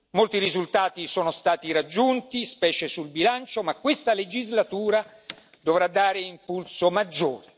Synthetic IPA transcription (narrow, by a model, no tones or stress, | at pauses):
molt̪iɾizult̪aːt̪isoːnost̪aːt̪iɾad͡ʒːunt̪ispɛːt͡ʃesulbilant͡ʃomakwest̪aled͡ʒizlat̪uːɾa | d̪ovɾad̪ːaːɾeimpulsomad͡ʒːoːɾe